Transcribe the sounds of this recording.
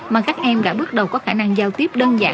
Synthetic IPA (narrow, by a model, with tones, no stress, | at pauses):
maː˨˩kaː˦˥k̚ʔɛ˧mɗa̰ː˧˥ɓɨ˦˥ət̚ɗə˨˩wkɔ˨˦xaː˧˩na˧ŋzaː˧wt̪i˦˥əp̚ɗəː˧nza̰ː˧˩˥